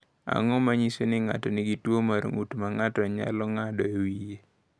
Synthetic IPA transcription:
a̰ŋɔmaɲisonɪŋa̰tɔnɪɡitwomaɾo̰ŋutmaŋatɔɲa̰lɔŋadɔewije

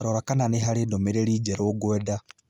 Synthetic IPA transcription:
ɾoɾakananeɦaɾedomeɾeɾid͡ʒeɾooɡweda

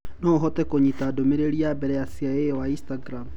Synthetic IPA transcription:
nɔɦɔtɛkoɲitadomeɾeɾiabɛɾɛasiaewainstaɡɾam

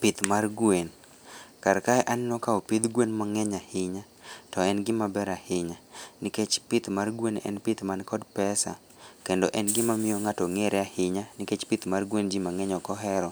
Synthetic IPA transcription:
pɪt̪marɡwen | kaɾkaɛʔanɪnɔkaɔpɪd̪ɡwenmaŋɛɲahɪɲa | tɔɛnɡɪmabɛɾahɪɲanɪket͡ʃpɪt̪marɡwenɛ̰npɪt̪mankɔdpɛsa̰ | kendoʔɛnɡɪmamɪjoŋatoŋeɾʔɛahɪɲanɪket͡ʃpɪt̪marɡwend͡ʒimaŋɛɲɔkɔɦɛɾɔ

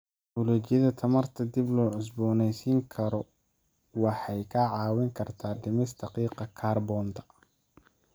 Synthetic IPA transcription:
ɔlɛːt͡ʃɪjɐðɐt̪ʰɐmɐrt̪ʰɐd̪iblɔːʕʊs̬bɔːnɛjsiːŋkʰɐɾɔ | wɑħɑjkʰɐʕɑːwɪŋkʰɐrt̪ʰaːɖɪmɪsd̪ɐqiːqɐkʰaːrbɔːnt̪ʰɐ̥

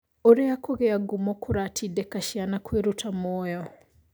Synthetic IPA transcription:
oɾeakoɣeaɡumokʰuɾaːtʰidekaʃjanakweɾutʰamoːjo

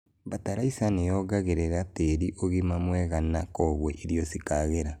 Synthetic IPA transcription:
bataɾaisanejɔɡaɣeɾeɾateɾiʔoɣimamwɛɣanakɔβwɛʔiɾjosikaɣeɾa

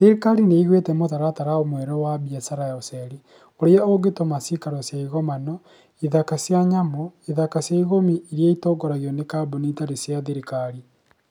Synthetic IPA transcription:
ðeɾikaɾineiɣwetɛmotaɾataɾaomwɛɾɔwabiasaɾajɔsɛɾi | oɾeaoɡetomasikaɾɔsjaiɣɔmanɔ | iðakasjaɲamoiðakasjaiɣomiiɾjaitoːɡɔɾaɣiɔnekaboneitaɾesjaðeɾikaɾi

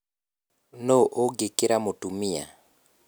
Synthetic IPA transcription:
noʔoɡekeɾamotumia̰

